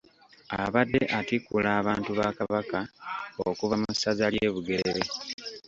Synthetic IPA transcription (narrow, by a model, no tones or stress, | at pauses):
aβadːe̞ʔatikulaːβaːntuβakaβakaokuvamusazaljeːβuɡe̞ɾeɾe